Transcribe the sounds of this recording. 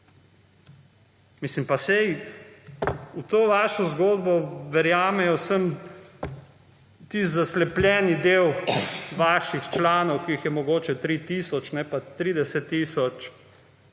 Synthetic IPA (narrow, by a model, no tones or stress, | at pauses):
mislimpasɛj | ut̪oːʋaːʃɔzɡoːd̪bɔʋɛɾjaːmɛjɔsəm | t̪izaslɛplʲjɛːnid̪eːwʋaːʃixt͡ʃlaːnɔwkiixjɛmɔɡoːt͡ʃɛt̪ɾit̪iːsɔt͡ʃnɛpat̪ɾiːd̪ɛsɛt̪ːisɔt͡ʃ